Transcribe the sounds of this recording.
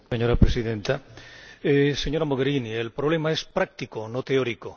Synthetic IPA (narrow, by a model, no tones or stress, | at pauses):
seɲoɾapɾesiðẽnt̪a | eseɲo̞ɾamoɣ̞eɾinielpɾoβ̞le̞maespɾak̚t̪ikonot̪eoɾiko